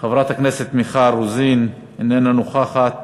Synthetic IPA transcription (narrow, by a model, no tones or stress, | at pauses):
χevɾat̪hakneset̪miχaɾuzin | inenanuχaχat̪̚